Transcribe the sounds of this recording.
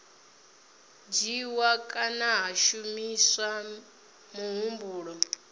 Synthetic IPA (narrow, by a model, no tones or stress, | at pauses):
d͡ʒiwakʼanaɦaʃumisa | muɦumbuːɺɔ